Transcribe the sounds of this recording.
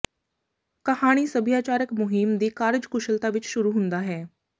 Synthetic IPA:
kɐhaːɽ̃isəbʱijaːt͡ʃaːɾəkmʊɦɪmd̪iːkaːɾd͡ʒkʊʃəlt̪aʋɪt͡ʃʃʊɾuɦʊ̃nd̪aɦɛː

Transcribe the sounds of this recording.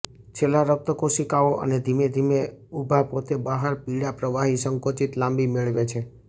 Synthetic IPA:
t͡ʃʰelaɾək̚t̪əkoʃikaoʔə̰ned̪ʱimed̪ʱimeubʱapot̪ebaɦaɾpiɽapɾəʋaɦisəŋkot͡ʃit̪lãmbimeɭʋet͡ʃʰe

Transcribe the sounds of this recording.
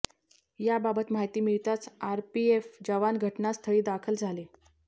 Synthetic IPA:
jababət̪maɦjt̪iːmiɭt̪at͡saɾpiefd͡ʑəʋanɡʱəʈnast̪ʰəɭiːd̪akʰəld͡zʱale

